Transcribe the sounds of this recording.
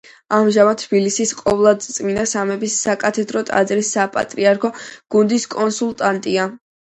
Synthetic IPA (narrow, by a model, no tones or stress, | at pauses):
amʒamat̪̚t̪ʰbilisisqʼɔvlˠad̪t̪sʼminasamɛbisːakʼat̪ʰɛd̪ɾɔt̪ʼa̰d̪zɾisːapʼa̰t̪ʼɾiaɾkʰɔɡ̥und̪iskʼɔnsulˠt̪ʼant̪ʼia